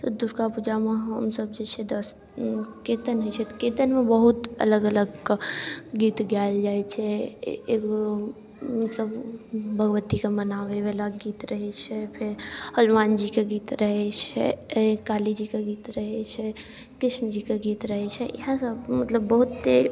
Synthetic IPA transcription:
t̪od̪ʊɾkapud͡ʒamãɦəmsəb̚d͡ʒet͡ʃʰed̪əs | keːt̪ənɦət͡ʃʰɛt̪keːt̪ənmẽbəɦʊt̪ɐ̰ləɡələɡ | ɡiːt̪ɡjaːld͡ʒaːet͡ʃʰɛ̰ | ko | mɐt̪ləbbʱəɡʋət̪ikamənaːʋeʋelaɡiːt̪ɾɐɦɛt͡ʃʰɛpʰɪɾhəlmaːnd͡ʒikaɡiːt̪ɾəɦet͡ʃʰɛ̰kaːlid͡ʒikaɡiːt̪ɾəɦet͡ʃʰɛ | kɾɪʃnd͡ʒikaɡiːt̪ɾəɦɛt͡ʃʰɛɦãsəbmət̪ləbːəɦʊt̪ːe

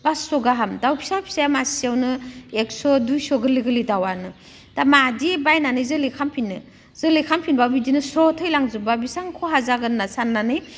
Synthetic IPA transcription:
b̥asɔɡaɦamdawpʰi̥sapʰi̥sajamasiawnɯek̚sɔdujsɔɡɯliɡɯlidawanɯ | d̥amadibajnanɯjzɯlikʰampʰinːɯ | z̥ɯlikʰampʰinbabidinɯsɾɔtʰɯjlaŋzubabisaŋkʰɔɦazaɡɯnːasanːanɯj

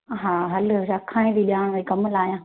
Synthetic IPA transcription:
ɦaːɦɐlɾɐkʰãːẽd̪iɓjaːɽ̃ʋkɐmlaːɦijãː

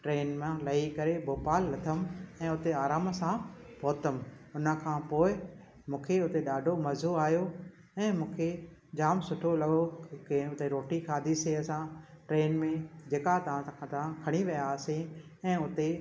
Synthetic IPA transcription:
ʈɾeːnmãlɐikɐɾebʱoːpaːlːɐt̪ʰəmɛ̃ːʊt̪eaːɾaːmsãbʱoːt̪əmʊnə̆kʰãːpoːɪ | mũːkʰeʊt̪eɗaːɖʱomɐzoaːjo | ɛ̃ːmũːkʰed͡ʑaːmsʊʈʰolɐɠokɪ̃ʊt̪eɾoːʈikʰaːd̪ʱiseɐsãʈɾeːnmẽd͡ʑeːkat̪ɐʋ̤ãt̪ɐʋ̤ãkʰɐɽ̃iʋɐjaseɛ̃ːʊt̪e

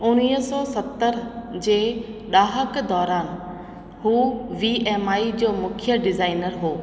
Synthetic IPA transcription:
ʊniːɦsɔsɐt̪ːəɾd͡ʑeːɗaːɦəkd̪ɔːɾaːn | ɦuːʋiɛːmaːid͡ʑoːmʊ̃kʰɪjəɖɪzaːɪnəɾɦoː

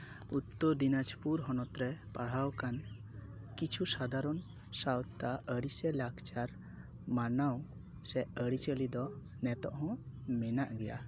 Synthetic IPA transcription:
ut̪ːɔɾd̪inad͡ʒpuɾɦɔnɔt̪ɾɛpaɽ̤awkan | kit͡ʃʰusad̪aɾɔn | sawt̪t̪aəɽisɛlakt͡ʃaɾ | manaw | sɛʔəɽit͡ʃəlid̪ɔ | nɛt̪ɔʔɦɔ̃mɛnaʔɡɛja̰

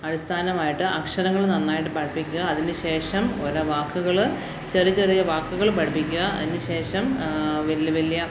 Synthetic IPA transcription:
ɐɽist̪ʰaːnɐmaːjiʈːɨʔɐkʂɐɾɐŋːɐɭnɐnːaːjiʈ̬ːɨpɐʈɐpːikʲːuɣɐːðinɨɕe̞ːʂɐmolɐʋaːkːuɣɐɭ | t͡ɕerit͡ɕːeɾɐjɐʋaːkːuɣɐɭpɐʈɐpːikʲːuɣɐɐ̰ðinɨɕe̞ːʂɐmʋelʋɐlːijɐ

